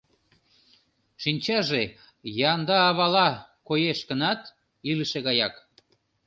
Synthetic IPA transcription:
ʃinʲt͡ɕɑʒe | jɑnd̪ɑːβɑlɑkojeʃkənɑt̪ | iləʃeɣɑjɑk

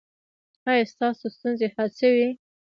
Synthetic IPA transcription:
ajɑst̪ɑsost̪unzehasəwi

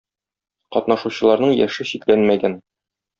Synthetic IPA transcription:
qɒt̪nɑʃuɕɤ̆lˠɑɾnɤɴjæ̰ʃɘɕit̪lænmæɡæn

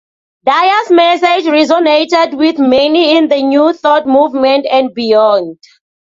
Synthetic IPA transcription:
dajasmɛsed͡ʒɹɛzɔnetɛdwiθmeniĩnðənjuθɔtmuvmɛ̃ntɛ̃n̚bijɔ̃nd

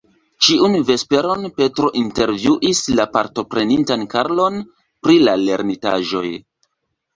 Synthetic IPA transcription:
t͡ʃiunve̞spe̞ɾo̞npe̞tɾo̞ʔinte̞ɾvjuʔislapaɾto̞pɾe̞nintankaɾlo̞n | pɾilale̞ɾnita̰ʒo̞̰j

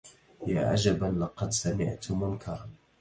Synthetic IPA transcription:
jaːʕa̰d͡ʒabalɑqɑd̪samɪʕt̪mʊnkʰɑɾˤɑn

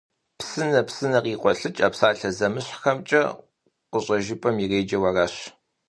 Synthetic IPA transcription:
psɨnɐpsɨnɐqiːqʷɔɬɨt͡ʃʼɐpsaːɬɐzɐmɨɕʷħxɐmt͡ʃʼɐ̰ | qʷʊɕʼɐʒɪpʼɐmireːd͡ʒɐwɐrɐɕ

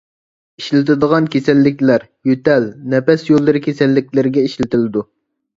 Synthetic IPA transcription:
iʃlɪt̪ɪd̪əʁɑnkʲesɛlːɪkʲlæɾ | jøt̪ɛlnɛpɛsjolˠːɨɾɪkʲʰesɛlːɪkʲlɪɾɡʲɛiʃlɪt̪ʰɪlɪd̪u

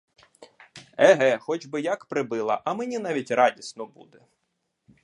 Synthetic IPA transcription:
ɛɦɛxɔd͡ʒbɪjakpɾɪbɪlˠɐ̰ʔɐmenʲinɑʋʲitʲrɑdʲisnɔbṵd̪ɛ

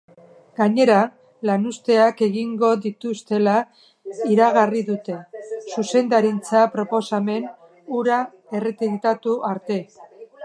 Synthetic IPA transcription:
ɡ̥aɲe̞ɾa | lanust̪e̞ake̞ɣiŋɡo̞ðit̪ust̪e̞la | iɾaɣ̞ariðut̪e̞suse̞nd̪aɾint͡sapɾo̞po̞same̞n | uɾa | e̞ret̪iðit̪at̪uʔaɾt̪e̞

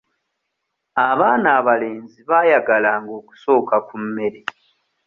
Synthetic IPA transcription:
aβaːnaːβale̞ːnziβaːjaɡalaːŋɡo̞ːku̥so̞ːkakumːe̞ɾe

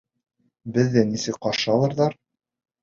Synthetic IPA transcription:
bɘ̆ðːænisɘkqɑʃɤɑlˠɤ̆ɾðɑɾ

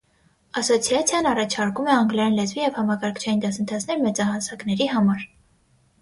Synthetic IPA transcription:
ɑsɔt͡sʰjɑt͡sʰjɑnɑrɑt͡ʃʰɑɾkumɛɑŋɡlɛjɑnlɛzvijɛvhɑmɑkɑɾkʰt͡ʃʰɑjind̪ɑsənt̪ʰɑt͡sʰnɛɾmɛt͡sɑhɑsɑknɛɾiɦɑmɑɾ

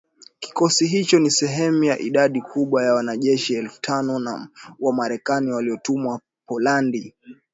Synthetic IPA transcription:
ki̥kɔsiɦit͡ʃɔnisɛɦɛmujaʔiɗaɗikʰuɓwajawanaʄɛʃiɛlfu̥tʰanɔna̰wamaɾɛkaniwaliɔtumwa | pɔlandi

